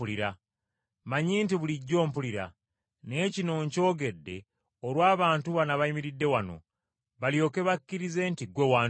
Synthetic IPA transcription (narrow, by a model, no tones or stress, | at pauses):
uliɾa | maɲiːntiβuliɟːo̞ːmpuliɾa̰ | ne̞cino̞ɲco̞ːɡe̞dːe̞ | oɾwaːβaːntuβanaβajimiɾidːe̞wano̞̰ | βaljo̞ːke̞βakːiɾize̞ːntiɡwewaː